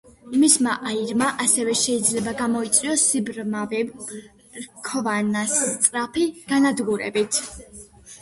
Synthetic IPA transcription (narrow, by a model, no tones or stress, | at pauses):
mismaʔaiɾmaʔasɛvɛʃɛid̪zlɛbaɡamɔit̪sʼiɔsːibɾmavɛ | ɾkʰɔvanast̪sʼɾapʰiɡ̥anad̪ɡuɾɛ̰bit̪ʰ